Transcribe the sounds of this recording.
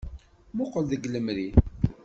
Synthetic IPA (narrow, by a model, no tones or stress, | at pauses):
mʊqəlðəɡləmɾi